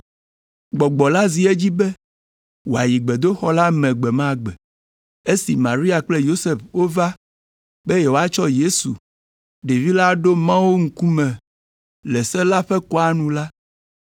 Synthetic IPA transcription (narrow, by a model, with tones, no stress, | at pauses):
ɡ͡bɔ˨ɡ͡bɔ˨la˦zi˨e˦d͡ʑi˦bɛ˦ | wo˨a˨ji˨ɡ͡bɛ˨d̪o˦xɔ˦la˦mɛ̃˨ɡ͡bɛ˨mã˦˨ɡ͡bɛ˨ | e˦si˨mã˨ɾi˦a˨k͡ple˦jo˦se˦˨fwo˦va˦ | be˦jɛ˨wo˨˦a˦t͡ʃɔ˦je˦su˨ | ɖe˨vi˦la˦ɖo˦mã˦wo˦ŋ̩˦ku˦mɛ̃˨ | lɛ˨sɛ˦la˦ɸɛ˦kɔ˦a˦nũ˨la˦